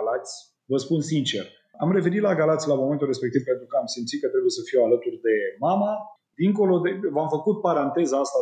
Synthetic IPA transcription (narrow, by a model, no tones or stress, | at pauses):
lat̪sʲ | vəspunsint͡ʃe̞̰r | amɾe̞ve̞nit̪laɡalat̪sʲlamo̞me̞nt̪ulre̞spek̚t̪ivpe̞nt̪ɾukəamsimt̪sit̪kət̪ɾebuje̞səfialət̪urʲd̪e̞mama | d̪iŋko̞lo̞d̪evamfəkut̪̚paɾant̪e̞zaast̪a